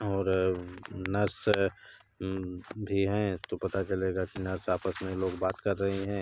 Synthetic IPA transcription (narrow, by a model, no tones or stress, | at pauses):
ɔːɾ | nɐɾs | bʱiɦɛ̃ɪst̪opɐt̪at͡ʃɐleːɡakinɐɾsaːpəsmẽloːɡbaːt̪kɐɾːɐɦeɦɛ̃ː